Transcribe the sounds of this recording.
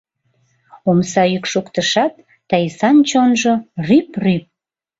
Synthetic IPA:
omsɑjykʃukt̪əʃɑt̪̚ː | ɑjsɑnt͡ɕonʒorypryp̚

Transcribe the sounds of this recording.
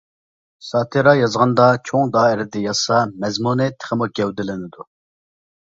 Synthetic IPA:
sɑːt̪ʰɨɾɑjɑzʁɑnd̪ɑt͡ʃʰoŋd̪ɑːɪɾɪd̪ɛjɑsɑmɛzmunɨt̪ʰɪ̥χɪmuɡʲɛwd̪ɪlɪnɪd̪u

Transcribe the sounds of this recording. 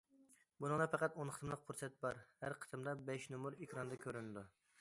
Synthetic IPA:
bunɨŋlˠɑpɛqæt̪onqʰət̪ʰɨmlˠəq̚pʰuɾsɛt̪̚bɑɾhæɾqʰə̥t̪ʰɨmd̪ɑbɛʃnumuɾekʲʰɾɑnd̪ɑkʲʰøɾynɪd̪u

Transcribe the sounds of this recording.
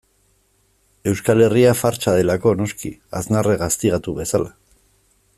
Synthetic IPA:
e̞wskale̞riafaɾt͡ʃaðe̞lako̞no̞skiaznareɣast̪iɣat̪uβe̞sala

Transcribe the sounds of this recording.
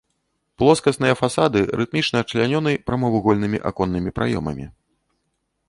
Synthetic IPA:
plˠɔskɐsn̪ɨjɐfasad̪ɨɾʔɨt̪̚mʲit͡ʂnɐːt͡ʂlʲanʲɔnɨjpɾɐmɐvɨɣɔlʲnɨmʲḭʔa̰kɔnːɨmʲipɾʔa̰jɔ̰mɐ̰mʲḭ

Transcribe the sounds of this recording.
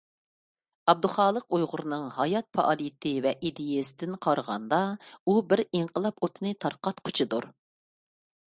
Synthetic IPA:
ɑb̚d̪ʊχɑːlˠəqujʁʊɾɨnɨŋhɑjɑt̪̚pʰɑ̰ʔɑlˠijɪt̪ʰɪvɛʔid̪ejesɪd̪ɪnqʰɑɾʁɑ̰nd̪ɑubɪɾiɴqʰəlˠɑpot̪ʰɨnɨt̪ʰɑɾqɑt̪qʰʊ̥t͡ʃʰɨd̪uɾ

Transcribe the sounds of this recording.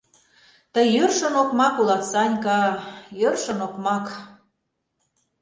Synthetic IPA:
t̪əjørʃə̆nokmɑkulɑt̪sɑnʲkɑjørʃə̆nokmɑk

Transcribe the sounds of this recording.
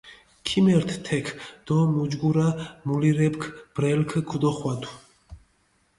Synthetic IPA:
kʰimɛɾt̪ʰt̪ʰɛkʰd̪̥ɔmud͡ʒɡuɾamuliɾɛpkʰb̥ɾɛlkʰɡʰud̪ɔχwad̪u

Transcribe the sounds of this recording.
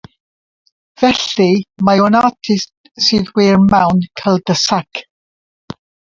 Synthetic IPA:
v̥ɛɬimajɔnatʰɪst | sɨːðwɪːrmawnkʰəlˠdəsak

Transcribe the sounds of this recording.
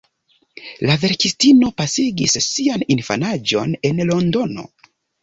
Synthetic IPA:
lave̞ɾkistino̞pasiɡisːianinfa̰nad͡ʒo̞ne̞nlo̞ndo̞no̞̰

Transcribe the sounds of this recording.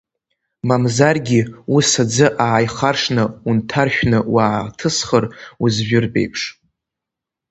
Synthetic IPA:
mamzarɡʲiusad͡zɨʔaːjχarʂnɨuntʰarʃʷᶣnɨwaːtʰɨsχəruzʒᶣʊrbe̞̰jpʰʂ

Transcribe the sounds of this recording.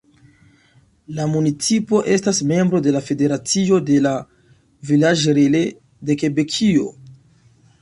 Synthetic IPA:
lamunit͡sipo̞ʔe̞stasme̞mbɾo̞de̞lafe̞de̞ɾat͡sio̞de̞la | vilad͡ʒɾele | de̞ke̞be̞kʰio̞̰

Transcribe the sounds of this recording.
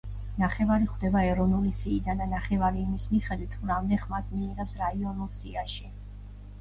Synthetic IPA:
naχɛvaɾiχvd̪ɛbaɛɾɔvnulisiːd̪ananaχɛvaɾiːmismiχɛd̪wit̪ʰːuɾamd̪ɛχmasmiːʁɛpsɾaiɔnulˠsiaʃi

